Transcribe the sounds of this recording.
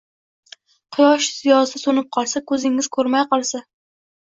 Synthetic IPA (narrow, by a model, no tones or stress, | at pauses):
qʰɨjɒʃsɪjɒsɪsonɪp̚qʰɒlˠsakʰɵzɪŋɪzkʰɵɾmajqɒlˠsa